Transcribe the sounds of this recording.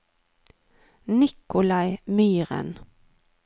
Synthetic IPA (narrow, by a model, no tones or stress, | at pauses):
nɪkʊlɑɪmyːʁə̰n